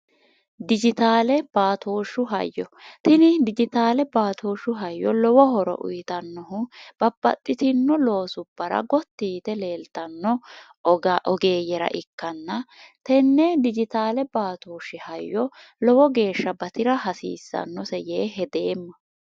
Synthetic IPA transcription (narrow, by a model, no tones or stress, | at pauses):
d̪ɪd͡ʒɪt̪aːlɛb̥aːt̪oːʃʊɦɐ̰jːɔt̪ɪnɪd̪ɪd͡ʒɪt̪aːlɛbaːt̪ʰoːʃʊɦɐjːɔlɔwɔhɔɾɔ̰ʔʊ̰jɪt̪ɐnːɔɦʊb̥ɐb̥ːɐ̰t̪ʼːɪt̪ɪnːɔlo̞ːsʊb̥ːɐɾɐ̰ɡɔt̪ːiːt̪ɛle̞ːlt̪ɐnːɔ | ʔɔɡe̞ːjɛɾɐ̰ʔɪkːɐnːɐt̪ɛnːɛd̪ɪd͡ʒɪt̪aːlɛbaːt̪oːʃɪhɐjːɔlɔwɔɡe̞ːʃːɐbɐt̪ɪɾɐɦɐsḭːsːɐ̰nːɔsɛjeːɦɛd̪e̞ːmːɐ